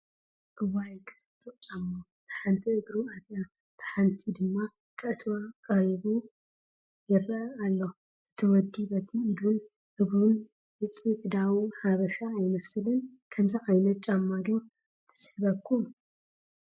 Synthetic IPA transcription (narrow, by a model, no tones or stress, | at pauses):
ʔɨwajkʰɐ̥sɐt̪ʰʼːoʔt͡ʃʼamːo | t̪ʰɐ̥ħant̪ʰiɨɡɾuatja | t̪ʰɐ̥ħant̪ʰid̪ɨmːa | kʼʰɐʔt̪ʰwakʼɐɾiβu | jɪrɐʔɐalːo | ʔɨt̪ʰiwɔd̪ːibɐt̪ʰiːlun | ʔɨβɾun | hɨt͡sʼikɨd̪awnhaβɐʃaːjmɐslɨnkʰɐmziʔajnɐt̪̚t͡ʃʼamːad̪u | t̪ʰɐ̥sħbɐkʰːum